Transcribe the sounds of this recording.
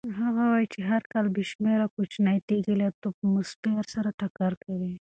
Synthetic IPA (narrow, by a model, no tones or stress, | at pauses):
ɦaɣawajt͡ʃeɦaɾkalbiʃmeɾakʊt͡ʃnat̪eɡəlet̪opmʊspeaɾsaɾaʈakaɾkawi